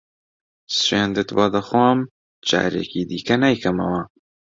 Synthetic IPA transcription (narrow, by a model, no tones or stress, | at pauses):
sweːnd̪ɨt̪bɑd̪ɐxwɑːm | d͡ʒa̰ːɾḛːkiːd̪iːkɐnajkʰɐmɐ̰wɐ